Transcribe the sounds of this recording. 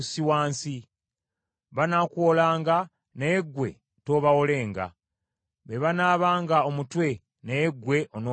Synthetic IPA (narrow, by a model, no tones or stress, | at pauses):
siwaːnsi | βanakwoːlaːŋɡa | neɡwe̞̰ | to̞ːβawole̞ːŋɡa̰ | βeβanaːβaːŋɡaomutwe̞ | nejɡwe̞ʔono